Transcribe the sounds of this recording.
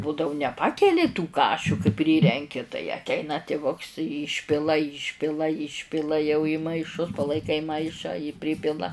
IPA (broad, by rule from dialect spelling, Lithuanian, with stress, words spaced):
ˈbuːdɐʊ ˈnʲæːpɐkʲɛlʲɪ tuː ˈkɑːʃʲʊ kɐɪ ˈpʲrʲiːrʲɛŋʲkʲɪ tɐɪ ɐtʲˈɛɪnɐ tʲɪˈʋʊks ˈiːʃʲpʲɪlˠɐ ˈiːʃʲpʲɪlˠɐ ˈiːʃʲpʲɪlˠɐ jɛʊ iː mɐɪˈʃʊs pɐlˠɐɪˈkɐɪ ˈmɐɪʃɑː jiː ˈpʲrʲɪpʲɪlˠɐ